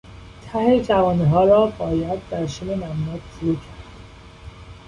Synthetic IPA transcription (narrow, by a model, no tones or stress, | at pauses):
t̪ʰæhet͡ʃʰævɒːniɦɒːɾɒːbɒːjæd̪̚ːæɾʃememæbnɔːt̪ʃuɾuːcʰæɾd̪̥